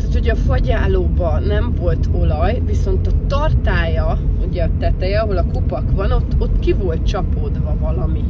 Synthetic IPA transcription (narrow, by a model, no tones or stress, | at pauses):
t̪aːt̪hoɟɛɒfɒɟaːloːbɒnɛɱvo̞lt̪ʰo̞lɒjviso̞nt̪ɒt̪ɒrt̪aːjɒuɟɛɒt̪ɛt̪ɛjɛɒɦo̞lɒko̞pɒkʋɒno̞t̪ːo̞t̪ːkivo̞lt̪t͡ʃɒpod̪ʋɒvɒlɒmi